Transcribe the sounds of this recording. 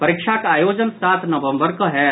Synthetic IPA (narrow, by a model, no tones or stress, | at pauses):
pɐɾɪkʃakaːjoːd͡ʒənsaːt̪ʰnɐʋə̃mbəɾkɐɦɛ